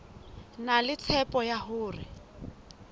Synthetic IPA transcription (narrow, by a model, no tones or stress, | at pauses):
nalɪt͡sʰɛpɔjaɦʊːrɪ̰